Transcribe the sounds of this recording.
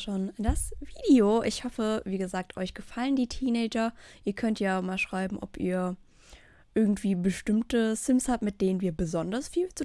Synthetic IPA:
ʃoːnd̥asv̥iːdeoʔɪçhɔfəviːɡəzaːk̚tʰʔɔʏçɡ̥əfaləndiːtʰiːnɛːd͡ʒɐʔiːɐkʰœntʰjaːmaːlʃʁ̥aɪbm̩ʔɔ̰pʔḭːɐ | ʔɪɐɡŋ̩tv̥iːbəʃtɪmtəsɪmshaːp̚tmɪt̚d̥eːnənviːɐbəzɔndɐsfiːlt͡su

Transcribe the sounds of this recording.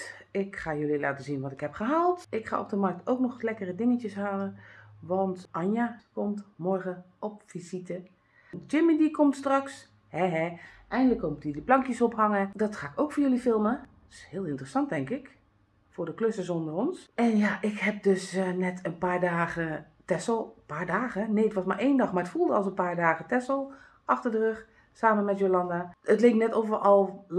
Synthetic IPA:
ɪkχaːjɵlila̰ːtəzinʋɑtɪkɦɛpχəɦaːlˠtʔɪkχa̰ːɔ̰b̚dəmɑrk̚towk̚nɔχlɛkərədɪŋəcəsɦaːlənʋɑntʔɑɲjakɔmtmɔɹχəʔɔpfizitə | d͡ʒɪmidikɔmtstrɑks | hɛɦɛʔɛjndələkːomtidəplɑŋkjəsɔpɦɑŋədɑtχaːɪkowkfʊːɹjɵlifɪlˠmə | shɪːlˠɪntrəsɑnt̚ɛŋkɪk | fʊːɹdəkløsəsondərɔnsɛnjaʔɪkhɛp̚døsnɛtʰənpaːɹdaːɣə | tɛsl̩ˠpaːɹdaːɣəneːətʋɔsmaɹeːndɑxmarətfulˠdəɔ̰lˠsənpaːɹdaːɣətɛslˠ | ʔɑxtərdərøx | saːmənmɛtjolɑndaətleːknɛtoːvərɔlˠ

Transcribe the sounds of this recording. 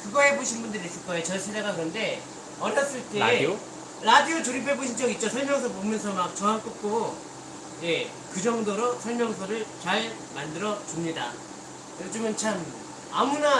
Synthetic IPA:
kɯɡʌɦe̞boɕʰinbundɯɾis͈ɯɭk͈ʌeot͡ɕʌnsʰedaɡakɯɾʌnde̞ | ʌɾjʌs͈ɯɭt͈e̞ | ɾadiotuɾipʰe̞boɕʰint͡ɕʌɡit̚t͡ɕ͈osʰʌɭmjʌŋs̬ʰʌpomjʌns̬ʰʌmak̚t͡ɕʌŋɦank͈ɯp̚k͈o | je̞ | kɯd͡ʑʌŋdoɾosʰʌɭmjʌŋsʰʌɾɯɭt͡ɕaɭ | mandɯɾʌt͡ɕumɲida | eot͡ɕ͈omɯnt͡ɕʰam | amuna

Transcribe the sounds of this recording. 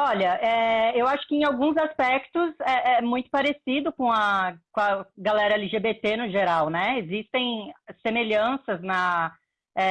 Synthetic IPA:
ɔʎɐʔɛewaʃʊ̥kɪẽj̃awɡũzaspɛkt̪ʊzɛʔɛmũj̃t̪ʊ̥paɾesid̪ʊkõɐkõɐɡalɛɾɐeliʒebet̪enʊʒeɾawnɛezist̪ẽj̃semeʎɐ̃sɐznɐ | ɛ

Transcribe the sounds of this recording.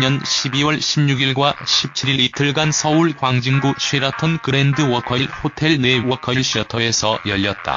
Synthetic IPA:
ɲʌnɕʰibiwʌɭɕʰimɲuɡiɭɡwaɕʰip̚t͡ɕʰiɾiɾitʰɯɭɡansʰʌuɭkwaŋd͡ʑiŋɡuɕʰɥeɾatʰonkɯɾendɯwʌkʰʌiɭhotʰe̞ɭne̞wʌkʰʌiɭɕ͈iʌtʰʌe̞sʰʌjʌʎːʌt̚t͈a̰

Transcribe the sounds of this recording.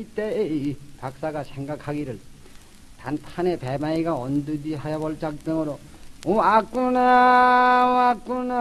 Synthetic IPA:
it̪eipak̚s͈aɡasʰeŋɡakʰaɡiɾɯɭ | t̪ant̪ʰanepebaiɡaʌnd̪ud̪iɦajabʌɭt͡ɕak̚tɯŋɯɾo | õakuna | akuna

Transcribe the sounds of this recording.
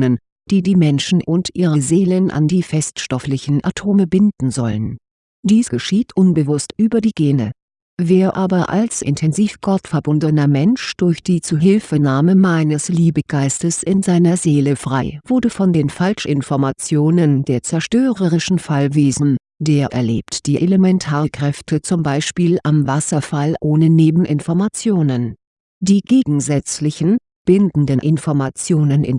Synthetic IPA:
nən | d̥iːdiːmɛnʃn̩ʔʊntʔiːʁəzeːlənʔa̰ndiːfɛstʃtɔflɪçn̩ʔa̰tʰoːməbɪndn̩zɔ̰lən | d̥iːsɡ̥əʃiːtʰʔʊnbəvʊstʔyːbɐdiːɡ̥eːnə̰ | veːɐʔaːbɐʔa̰lsʔɪ̰ntʰɛnziːfɡ̥ɔtfɛɐbʊndənɐmɛnʃd̥ʊɐçd̥iːt͡suːɦɪlfənaːməmaɪnəsliːbəɡ̥aɪstəsʔɪnzaɪnɐzeːləfʁ̥aɪvʊɐdəfɔndeːnfalʃʔɪnfɔɐmat͡sjoːnəndeːɐt͡sɛɐʃtøːʁəʁɪʃn̩falveːzn̩ | d̥eːɐʔɛ̰ɐleːptd̥iːʔeləmɛntʰaːʁəkʁ̥ɛftʰət͡sʊmbaɪʃpiːlʔamvasɐfalʔoːnəneːbm̩ʔɪnfɔɐmat͡sjoːnən | d̥iːɡeːɡŋ̩zɛt͡slɪçn̩ | b̥ɪndn̩dənʔɪnfɔɐmat͡sjoːnənɪ̰n

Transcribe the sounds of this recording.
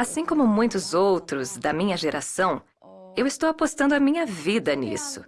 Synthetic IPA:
asĩkõmʊmũj̃t̪ʊzowt̪ɾʊzd̪ɐmĩɲɐʒeɾʔasɐ̃w̃ | ewɪst̪owapost̪ɐ̃nd̪ʊamĩɲɐvid̪ɐnḭsʊ

